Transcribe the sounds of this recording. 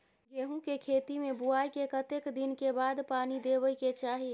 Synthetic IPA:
ɡeɦũkekʰet̪imẽbuajkekət̪ekd̪inkebad̪paːnid̪eβəiket͡ʃaːɦi

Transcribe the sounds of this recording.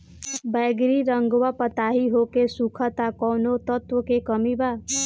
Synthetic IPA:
bɛɡɾiɾəŋɡʋapət̪aɦiɦokesukʰət̪akɔwnot̪ət̪wəkekəmiba

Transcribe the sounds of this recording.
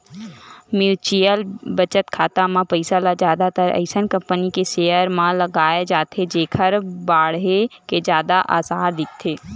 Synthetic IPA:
mjuːt͡ʃijəlbɐt͡ʃət̪kʰaːt̪amãpəɪsalad͡ʒjaːd̪at̪əɾə̰ɪʃənkɐ̃mpənikeʃeːəɾmãlɐɡaːed͡ʒaːt̪ʰed͡ʒeːkʰəɾbaːɽɦeked͡ʒjaːd̪aʔa̰ːsaːɾd̪ɪk̚ʰt̪ʰeː

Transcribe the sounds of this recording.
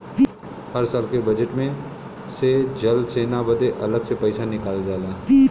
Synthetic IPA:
həɾsaːlkebɐd͡ʒəʈmẽ | sed͡ʒɐlseːnabəd̪eʔɐləɡsepɐːsanɪkaːld͡ʒaːlaː

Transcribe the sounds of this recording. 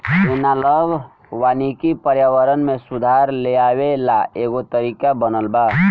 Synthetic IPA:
enaləbʱ | wanikipəɾjəwəɾənmesud̪ʱaɾleabelaeɡot̪əɾikabənəlba

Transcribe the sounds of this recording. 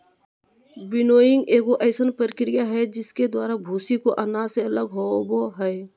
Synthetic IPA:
bɪnoːjɪ̃ŋɡeːɡoʔəɪsənpəɾɪkɾɪjaɦɛd͡ʒɪsked̪waːɾabʱuːsikoʔənaːseələɡɦoboɦɛː

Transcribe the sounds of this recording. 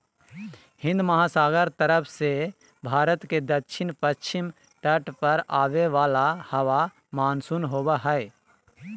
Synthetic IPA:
hɪ̃nd̪mɐɦaːsaːɡəɾt̪əɾəpʰse | bʱaːɾət̪ked̪ətːʃʰɪnpətːʃʰɪm | ʈəʈpɐɾaːʋeʋaːlahɐʋa | maːnsunɦoːbaɦɛe

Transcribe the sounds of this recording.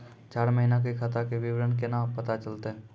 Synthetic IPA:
t͡ʃaːɾməɦinak̬ekʰɐt̪akeʋɪʋɾənkenãːpɐt̪at͡ʃəlt̪eɦɛ̃ː

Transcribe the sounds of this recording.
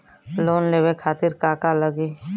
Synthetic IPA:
loːnleːwekʰaːt̪ɪɾkaːkaləɡiː

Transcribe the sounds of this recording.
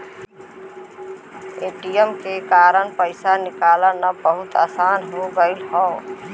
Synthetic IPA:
eːʈijəmkekaːɾəɳpəɪsanɪkaːlanabəɦʊt̪aːsaːnɦoɡəɪlɦɔː

